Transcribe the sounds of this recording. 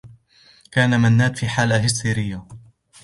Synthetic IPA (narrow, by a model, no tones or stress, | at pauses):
kaːnamanːaːt̪fiːħaːlaɦɪst̪iːɾɪjːa